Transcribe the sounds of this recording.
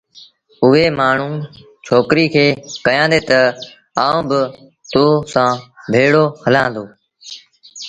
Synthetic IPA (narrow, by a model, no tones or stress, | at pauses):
ʊɦeːmaːɳ̤ũː | t͡ʃʰoːkɾiːkʰeːkəjãːnd̪eːt̪ə | aːõːbə | t̪oːsãːbʱeːɽoːhəlãːnd̪oː